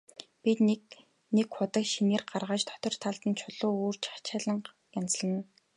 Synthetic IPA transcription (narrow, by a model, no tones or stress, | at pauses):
pʲit̪nk | nekχʊt̪ə̆kʃineːrɢarʁaːt͡ɕt̪ʰɔ̥t̪ɞ̆r̥t̪ʰaɮt̪ə̆nt͡ɕʰʊɮʊːuːrt͡ɕḁt͡ɕaːɮə̆ɴ | jant͡sɮə̆n